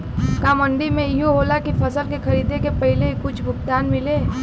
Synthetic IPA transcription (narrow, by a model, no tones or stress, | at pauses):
kaːmə̃ɳɖimẽɦoɦoːlakipʰɐsəlkexɐɾiːd̪ekepɐɦɪleikʊt͡ʃʰɡʱʊpt̪aːnmɪleː